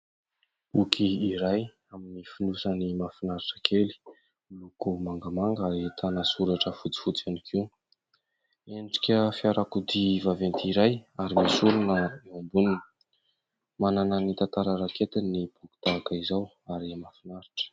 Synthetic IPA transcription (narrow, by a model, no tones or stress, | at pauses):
ukʰiːɾaj | aminifinusənimafinaɾiʈ͡ʂə̥kʰeli̥ | lukumaŋɡamaŋɡəet̪ʰanasuɾaʈ͡ʂəfut͡si̥fut͡sanikʰiu | eɳɖ͡ʐi̥kʲəfiaɾʔakud̪ivavent̪iiɾajaɾimisuɾunəeambuninə̥ | manananit̪ant̪aɾəɾakʰet̪inibuku̥t̪akaizaw | aɾimafinaɾi̥ʈ͡ʂə̥